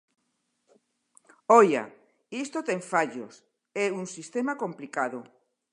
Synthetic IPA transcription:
oja̰ | ist̪ot̪eɱfaʎo̰s | euŋsist̪emakomplikaðo

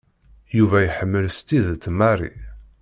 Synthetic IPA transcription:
juvæjħəmːəlst̪iðt̪ːmːarḭ

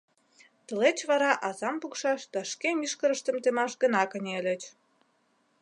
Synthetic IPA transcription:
t̪ə̆let͡ɕβɑɾɑʔɑzɑmpukʃɑʃd̪ɑʃkemiʃkəɾəʃt̪ə̆mt̪emɑʃɣə̆nɑkə̆nʲelʲĕt͡ɕ

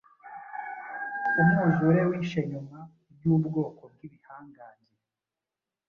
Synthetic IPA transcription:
umuʒuɾewiːʃeɲuma | ɾɟuːbɡo̞ːkob̚ɡiβihaːŋɡaːɲɟe

